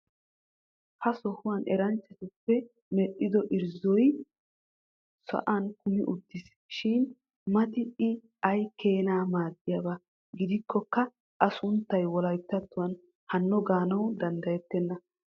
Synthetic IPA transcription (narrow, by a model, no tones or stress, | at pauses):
hɐsɔhʊwɐnɛɾɐnt͡ʃːɛt̪ɪpːɛ | mɛɗɪd̪ɔʔɪɾzɔj | sɐ̰ʔankʊmɪʔʊd̪ːɪs | ʃɪn | mɐt̪ɪɪ | ɐjkeːnaːmaːd̪ɪjaba | ɡɪd̪ɪkːɔkːɐ | ʔɐsʊnt̪ːɐjwɔlɐjt̪ːɐt̪ːʊwɐn | hɐnːɔɡaːnɐwd̪ɐnd̪ɐjɛt̪ːɛnːɐ